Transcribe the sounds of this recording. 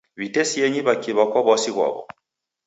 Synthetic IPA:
βitɛsiɛɲiβakiβakwaβwasiɣwa̰βɔ̰

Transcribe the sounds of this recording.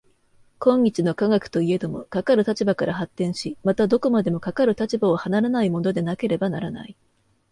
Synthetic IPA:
kõ̞ɲːit͡ɕino̞kaɡakɯ̟̥t̪o̞ie̞d̪o̞mo̞kakaɾɯ̟t̪at͡ɕibakaɾʔaɦat̪ːẽ̞ɰ̃ɕimat̪ad̪o̞ko̞mad̪e̞mo̞kakaɾɯ̟t̪at͡ɕibaohanaɾanaimo̞no̞d̪e̞nake̞ɾe̞banaɾana̰i

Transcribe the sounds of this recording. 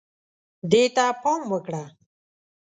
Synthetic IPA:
d̪eːt̪apʰɔːmwəkɽa

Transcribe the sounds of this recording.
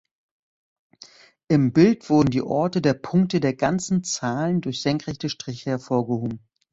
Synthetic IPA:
ʔɪmbɪltv̥ʊɐdn̩dḭːʔɔɐtədeːɐpʰʊŋk̚tədeːɐɡant͡sn̩t͡saːləndʊɐçz̥ɛŋkʁ̥ɛçtəʃtʁ̥ɪçəhɛɐfoːɐɡəhoːbm̩

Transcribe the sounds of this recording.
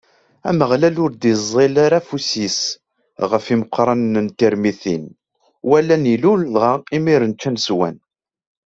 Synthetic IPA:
æ̰məʁlælʊɾd̪izˤelaɾafusis | ʁəfiməqːɾˤɑnnənt̪iɾmiθin | wælːæniluləlʁɑimiɾənt͡ʃːænswæ̰n

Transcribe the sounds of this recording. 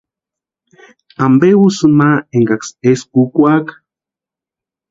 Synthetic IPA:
ambewusɨnaeŋɡakseskukʷak

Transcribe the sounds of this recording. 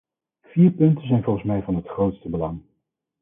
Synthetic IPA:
v̥iːɹpɵntənzɛjnvɔlˠχən̩smɛjvɑnɦətχrowtstəbəlɑŋ

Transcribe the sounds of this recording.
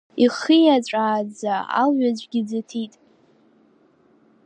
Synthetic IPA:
iχijat͡ɕʷʼaːd͡zaa̰lɥʷad͡ʑʷɡʲid͡zatʰitʼ

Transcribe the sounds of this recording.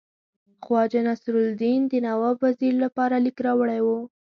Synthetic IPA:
xwɑd͡ʒanasɾʊld̪ind̪ənawabwːaziɾlapɑɾalikɾɑwəɽajwu

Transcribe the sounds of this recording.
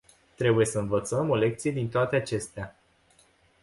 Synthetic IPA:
t̪ɾe̞buje̞səɨnvət̪səmo̞le̞k̚t̪sije̞d̪int̪oat̪e̞at͡ʃe̞st̪ea

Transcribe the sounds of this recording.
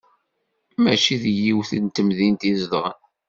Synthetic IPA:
mæt͡ʃiðjiwθənt̪ːəmðint̪izðəʁən

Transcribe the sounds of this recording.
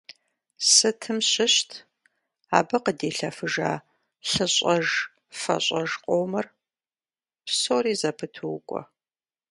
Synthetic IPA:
sɨtʰɨmɕɪɕtʰ | a̰ːbɨqədeːɬɐfɨʒa̰ː | ɬɨɕʼɐʒ | fɐ̰ɕʼɐʒqʼoːmɐr | psoːriːzɐpʰɨtʰɨwkʷʼɔ̰

